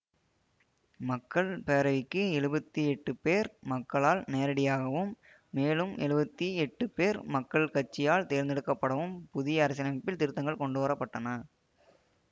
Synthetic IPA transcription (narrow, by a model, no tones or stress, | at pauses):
mɐkːɐɭpeːɾɐʋɪkːɯɛɻɯbɐt̪ːiɛʈːɯpeːɾmɐkːɐɭaːlneːɾɐɽɪjaːɣɐʋɯmː | eːlɯmɛɻɯbɐt̪ːiɛʈːɯpeːɾmɐkːɐɭkɐʈ̚t͡ʃːɪjaːɭt̪eːɾnd̪ɛɽɯkːɐpːɐɽɐʋɯmpʊðɪjɐːɾɐs̬ɪnɐmɐpːɪlt̪ɪɾɯt̪ːɐŋɡɐɭkɔɳɖɯʋɐɾɐpːɐʈːɐnɐ